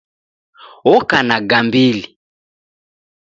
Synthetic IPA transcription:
ɔkanaɡambili

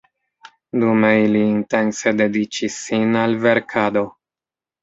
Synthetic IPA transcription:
dume̞iliːnte̞nse̞de̞dit͡ʃisːinalve̞ɾkʰado̞

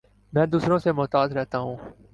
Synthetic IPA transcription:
mɛ̃ːd̪uːsɾõsemɔːt̪aːd̪ɾɛɦt̪aːɦũː

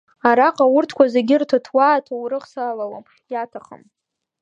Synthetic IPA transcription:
aɾaqʼawʊrtʰkʷazeɡʲɪrtʰatʰwaːtʰawɾɨχsalawam | jatʰaχa̰m

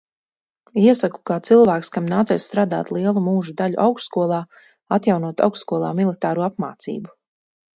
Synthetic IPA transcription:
iɛsaku̥kaːt̪silˠvæːkskamnaːt̪ɛːjsst̪ɾaːd̪a̰ːt̪lˠiɛlˠumuːʒud̪aʎṵʔawksskuɔlˠɑː | at̪jawnuɔt̪a̰wksskuɔlˠa̰ːmilˠit̪aːɾuːapma̰ːt̪sḭːbu

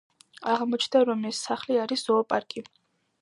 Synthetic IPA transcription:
aʁmɔt͡ʃʰnd̪aɾɔmɛsːaχliaɾisz̥ɔapʼaɾkʼi

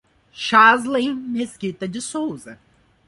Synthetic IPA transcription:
ʃazlẽj̃meskit̪ɐd͡ʒɪsowzɐ

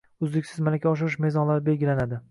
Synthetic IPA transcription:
ʊzd̪ɪkʲsɪzmalakʲʰaɒʃ̬ɪɾɪʃme̞zɒnlaɾɪbe̞lɡʲɪlanad̪ɪ

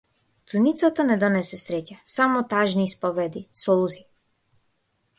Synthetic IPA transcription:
t̪unit̪sat̪anɛd̪ɔnɛsɛsɾɛcasamɔt̪aʒniːspɔvɛd̪isɔlˠuzi

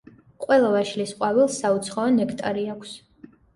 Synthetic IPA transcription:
qʼwɛlˠavaʃlisqʼwavilˠsaut̪sʰχɔɔnɛkʰt̪ʼaɾiakʰs

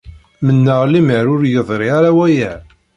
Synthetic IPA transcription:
mənːəʁliməɾʊɾjəðˤɾˤiaɾawæjæ

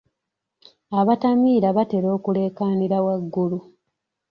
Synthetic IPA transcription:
aβatamiːɾaβate̞ɾo̞ːkule̞ːkaːniɾawaɡːulu

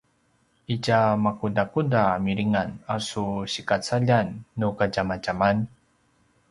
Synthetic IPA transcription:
icamakudakudamiɾiŋanasuɕikat͡saʎanːukaɟamat͡ʃaman

